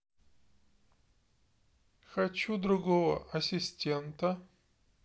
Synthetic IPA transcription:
xɐt͡ɕud̪ɾʊɡovə̰ʔɐsʲɪsʲtʲent̪ə

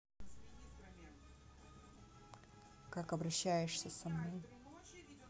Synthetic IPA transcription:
kakɐbɾɐɕːæjɪʂsʲəsɐmno̞j

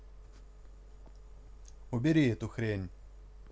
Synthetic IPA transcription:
ʊbʲeɾʲiɛt̪ʊxɾʲenʲ

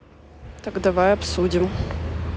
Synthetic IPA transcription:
t̪ɐɡd̪ɐvajɐpsudʲɪm

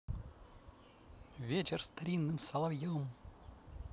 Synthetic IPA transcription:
vʲet͡ɕɪrst̪ɐɾʲinːɨmsɐlˠɐvjom

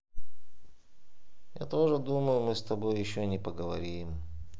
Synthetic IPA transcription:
ja̰t̪o̞ʐɨd̪uməjʊmɨst̪ɐbo̞jːɪɕːonʲɪpəɡəvɐɾʲiɪm

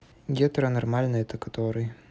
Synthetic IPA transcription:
ɡʲɛt̪ɾɐnɐrmalʲnɨjɛt̪ɐkɐt̪oɾɨj

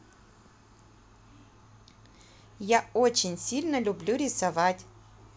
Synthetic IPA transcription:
jaot͡ɕɪnʲsʲilʲnəlʲʊblʲuɾʲɪsavatʲ

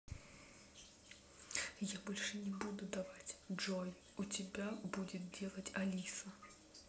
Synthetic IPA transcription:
jabolʲʂɨnʲɪbud̪ʊd̪ɐvatʲd͡ʐɔj | ʊtʲɪbʲabudʲɪt̪̚dʲelˠətʲɐlʲisɐ

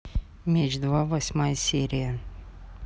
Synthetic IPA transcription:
mʲet͡ɕd̪vavɐsʲmajsʲeɾʲijə

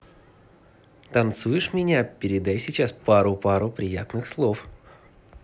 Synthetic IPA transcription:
t̪ɐnt̪sujɪʂmʲɪnʲapʲɪɾʲɪd̪ajsʲɪt͡ɕaspaɾʊpaɾʊpɾʲɪja̰t̪nɨxslˠo̞f

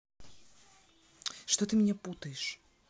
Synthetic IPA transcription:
ʂt̪ot̪ɨmʲɪnʲɛput̪əjɪʂ

